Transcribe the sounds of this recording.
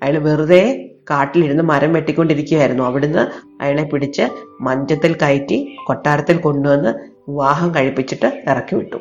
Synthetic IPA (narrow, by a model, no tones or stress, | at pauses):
ɐjaɭʋiruðekaːʈːiliɾunːɨmɐɾɐmʋe̞ʈːikʲːo̞ɳɖiɾikʲːuɣjaːjiɾunːuɐʋiɽunːɨ | ɐ̰jaːɭe̞piɽit͡ɕːɨmɐɲd͡ʑɐt̪ːilkɐjtːiko̞ʈːaːɾɐt̪ːilko̞ɳɖue̞nːɨʋiʋaːɦɐmkɐɻipːit͡ɕːiʈːɨirɐkːiʋḭʈːṵ